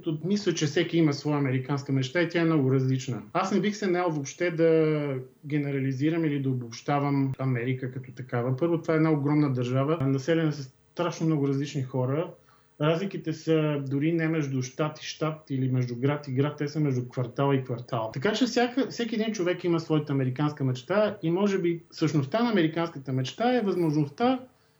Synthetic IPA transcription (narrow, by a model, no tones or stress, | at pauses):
t̪omislʲˠət͡ʃɛfsɛkiiməsvɔɛɐmɛɾikanskəmɛt͡ʃt̪ait̪ʲjaɛmnɔɡʊɾɐzlit͡ʃnəasnɛbixsɛnaɛlˠvopʃt̪ɛd̪ɐ | ɡ̟ɛnɛɾɐliziɾəmilid̪ɐobopʃt̪avəmɐmɛɾikəkɐt̪ɔt̪ɐkavəpɤɾvot̪ovaɛd̪naoɡɾɔmnəd̪ɐɾʒavənɐsɛlʲɛnəsɛs | t̪ɾaʃnomnɔɡʊɾɐzlit͡ʃnixɔɾə | ɾazlikit̪ɛsəd̪ʊɾinɛmɛʒd̪ʊʃt̪at̪i̥ʃt̪at̪ilimɛʒd̪ʊɡɾat̪iɡɾat̪ːɛsəmɛʒd̪ʊkvɐɾt̪alˠikvɐɾt̪alˠt̪ɐkat͡ʃɛfsʲjakəfsɛkiɛd̪int͡ʃovɛkiməsvɔit̪əːmɛɾikanskəmɛt͡ʃt̪aimɔʒɛbifsəʃnost̪anɐːmɛɾikanskət̪əmɛt͡ʃt̪aɛvəzmoʒnost̪a